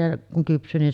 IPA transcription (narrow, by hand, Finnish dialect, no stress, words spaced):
jɑ kuŋ kypsˑyː nin